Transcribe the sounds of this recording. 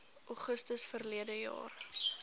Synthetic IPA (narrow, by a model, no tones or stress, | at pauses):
ʔɔχəstəsfərliədəjɑ̰ːr